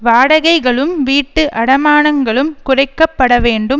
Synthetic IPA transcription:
ʋaːɽɐɣɐɪɣɐɭɯmʋiːʈːɯʔɐɽɐmaːnɐŋɡɐɭɯmkʊrɐɪkːɐpːɐɽɐʋeːɳɖɯm

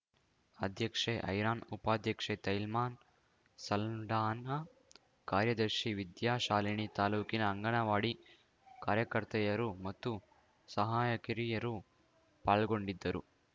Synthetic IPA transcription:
ɐd̪ʱjɐkʂeʔɐ̰jɾaːnupaːd̪ʱjɐkʂet̪ɐjlmaːn | sɐlɖaːnɐ | kaːɾjɐd̪ɐɾʃiʋid̪jaːʃaːliɳit̪aːluːkinɐːŋɡɐɳɐʋaːɽi | kaːɾjɐkɐɾt̪ɐjɐɾumɐt̪ːu | sɐɦaːjɐkiɾijɐɾu | paːɭɡoɳɖid̪ːɐɾṵ

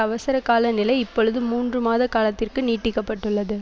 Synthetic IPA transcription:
ɐʋɐsɐɾɐkaːlɐnɪlɐɪɪpːɔɻɯðɯmuːndrɯmaːðɐkaːlɐt̪ːɪrkɯniːʈːɪkːɐpːɐʈːɯɭːɐðɯ

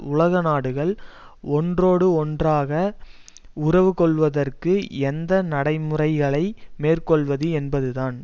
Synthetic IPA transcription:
ʊlɐɣɐnaːɽɯɣɐɭ | ɔndroːɽɯɔndraːɣɐ | ʊɾɐʋɯkɔɭʋɐðɐrkɯɛnd̪ɐnɐɽɐɪmɯrɐɪɣɐɭɐɪmeːrkɔɭʋɐðɯɛnbɐðɯðaːn

